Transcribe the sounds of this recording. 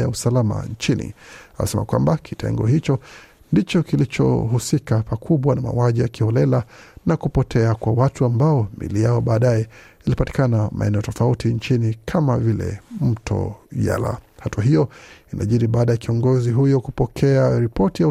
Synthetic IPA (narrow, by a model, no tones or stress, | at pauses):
jausalama̰ɲt͡ʃinḭaḭsɛma̰kwa̰mbakʰitʰɛ̰ŋɡɔhit͡ʃɔ | ndit͡ʃɔkilit͡ʃɔ̰ɦusikapakʰuɓwanama̰waʄijakihɔlɛlanakupɔtʰɛakwawatuambaɔmḭlijaɔɓaːɗajɛilipati̥kanamʔa̰ɛnɛɔtɔfautiɲt͡ʃinikʰamavilɛ̰m̩tʰɔ̰ja̰la̰hatuaɦijɔinʔa̰ʄiɾiɓaːɗajakiɔŋɡɔziɦujɔkupɔkʰɛaɾipɔtija